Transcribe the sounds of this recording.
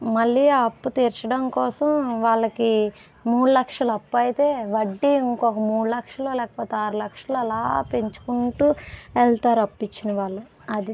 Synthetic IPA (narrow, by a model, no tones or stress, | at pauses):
mɐlːiːaːɐpːut̪iːɾt͡ʃɐɽɐmkɔːsɐmʋaːɭːɐki | muːɽulɐkʂɐlɐɐpːɐjit̪e̞ːʋɐɖːiiŋkɔkɐmuːɽulɐkʂɐloːlɛːkɐpoːt̪eaːɾulɐkʂɐluɐlaːpeɲt͡ʃu̥kuɳʈuːɛlt̪aːɾuɐpːit͡ʃːinɐʋaːɭːu | ɐd̪i